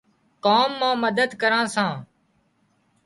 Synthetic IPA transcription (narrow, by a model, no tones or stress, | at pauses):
kaːmːãːməd̪əd̪kəɾãːsãː